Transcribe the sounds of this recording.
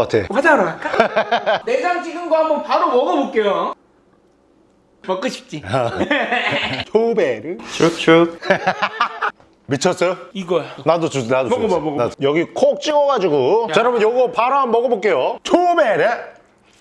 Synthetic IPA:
katʰeo̰wad͡ʑaɾoak͈a | nesaŋt͡ɕʰiɡɯmɡwaɦambʌnpaɾomʌɡʌbok͈ejo | mʌk͈ɯɕʰi̥p̚t͡ɕ͈i | tʰobeɾɯt͡ɕut͡ɕu | mit͡ɕʰʌs͈ʌjoiɡʌnadot͡ɕunadomɡmoɡnajʌɡikʰok̚t͡ɕ͈iɡʌɡad͡ʑiɡut͡ɕaɾabɯnjʌɡʌpaɾoanmʌɡʌbok͈e̞jotʰobeɾɯ

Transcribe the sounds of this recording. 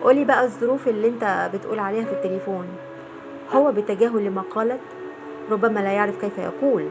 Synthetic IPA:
ʔoːlːiːbæʔæzˤːoɾuːfʔelːiʔent̪æbet̪ʔṵːlʕaleːhæfit̪ːelefoːn | howːæbet̪ːæɡæːɦolːemæqɑːlæt̪ | ɾˤobːæmælæjaʕɾefkæjfæjɑ̰quːl

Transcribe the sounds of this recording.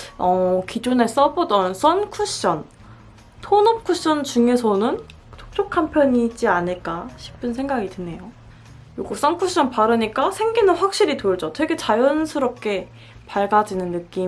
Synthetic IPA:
ʌkid͡ʑone̞s͈ʌbodʌns͈ʌnkʰuɕ͈ʌn | tʰonʌp̚kʰuɕ͈ʌnt͡ɕuŋe̞sʰʌnɯn | tʰo̥k̚t͡ɕ͈okʰampʰjʌɲiːd͡ʑianɯɭk͈aɕʰi̥p͈ɯnsʰe̞ŋɡaɡitɯne̞jo | joɡok̚s͈ʌnkʰuɕ͈ʌnpaɾɯɲik͈asʰe̞ŋɡinɯnɸwak̚ɕ͈iɾitoɭd͡ʑʌtʰeɡet͡ɕajʌnsʰɯɾʌp̚k͈e̞ | paɭɡad͡ʑinɯnːɯk͈i

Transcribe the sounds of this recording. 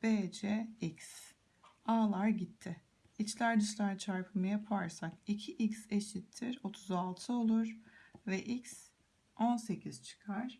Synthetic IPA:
b̥ed͡ʒɛics | aːlˠaɾɟit̪ʰːɪ | it͡ʃlʲæɾd̪iʃlʲæɾt͡ʃʰaɾpʰɯmɯjapʰaɾsakicʰiʔicseʃit̪ʰːiɾo̞t̪ʰuzalˠt̪ʰɯo̞lˠuɾ̥vɛʔics | o̞nse̞cʰiz̥t͡ʃʰɯ̥kʰaɾ̥

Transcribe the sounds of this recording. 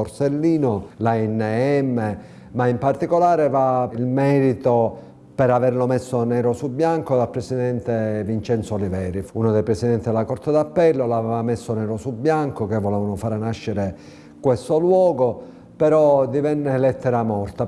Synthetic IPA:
oɾselːiːnolaɛnːeɛmːe | maimpart̪ikolaːɾevailmɛːɾit̪o | pɛɾaverlomesːonɛːɾosubːjaŋkod̪alpɾesid̪ɛnt̪evint͡ʃɛnsoːlivɛːɾiunod̪ejpɾɛsid̪ɛnt̪id̪elakɔɾt̪ad̪apːɛlːoloavɛːvamesːonɛːɾosubjaŋkokevːolɛːvanofaːɾnaʃːeɾe | kwest̪olwɔːɡo | peɾɔd̪ivɛnːelɛt̪ːeɾamɔrt̪a

